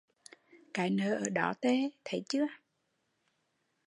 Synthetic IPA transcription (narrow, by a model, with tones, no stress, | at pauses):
kaː˨˦jnəː˨˩ʔəː˧˩ɗɔ˨˦t̪e˧˦t̪ʰə˨˦jt͡ɕɨ˨˦˥ə